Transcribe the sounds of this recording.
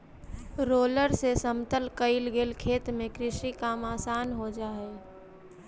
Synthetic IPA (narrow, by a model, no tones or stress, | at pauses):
ɾoːləɾsesəmt̪əlkəɪlɡeːlkʰeːt̪mẽkɾɪʃikaːmaːsaːnɦod͡ʒaːeː